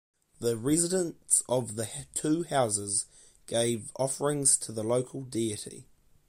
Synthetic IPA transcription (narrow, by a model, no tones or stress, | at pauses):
ðəɹɛzɪdə̃nsəvðətʰʉːhaʊzɪz | ɡ̥eɪvɒfəɹɪ̃ŋz̥tʰəðələʊkʰəlˠdiətḭ